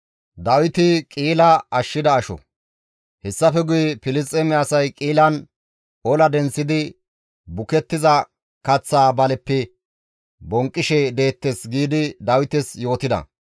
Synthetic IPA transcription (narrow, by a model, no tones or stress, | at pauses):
d̪ɐwɪt̪ɪkʼiːlɐɐʃːɪd̪ɐːʃɔ̰ | hɛsːɐfɛɡʊjɛfɪlɪs̬t̪ʼːɛmɪːsɐjkʼiːlɐn | ɔlɐd̪ɛnsːɪd̪ɪ | bʊkɛt̪ːɪzɐ | kɐt͡sːaːbɐlɛpːɛ | bɔŋkʼːɪʃɛd̪e̞ːt̪ːesɡiːd̪ɪd̪ɐwɪt̪ɛsjo̞ːt̪ɪd̪ɐ̰